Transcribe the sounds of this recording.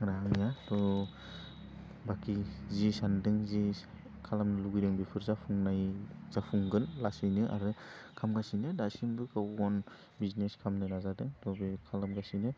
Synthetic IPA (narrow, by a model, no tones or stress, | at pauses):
ɾaŋjatɔ | bakizisandɯŋzi | kʰalamnɯluɡijdɯŋbepʰɯɾzapʰuŋnajz̥apʰuŋɡɯnlasɯjnɯʔa̰ɾɯkʰamɡasinɯdasimbɯkʰawɔn | bizneskʰamnɯnazadɯŋtɔbekʰalamɡasinɯ